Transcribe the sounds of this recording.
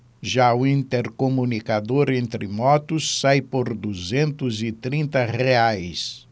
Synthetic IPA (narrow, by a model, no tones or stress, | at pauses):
ʒaʊĩnt̪eɾkomũnikad̪oɾẽnt̪ɾɪmɔt̪ʊsːajpoɾd̪uzẽnt̪ʊzɪt̪ɾĩnt̪ɐʁeajs